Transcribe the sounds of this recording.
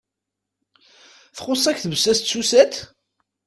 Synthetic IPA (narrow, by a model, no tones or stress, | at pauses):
θχosˤːæçθvəsːæst̪susæt̪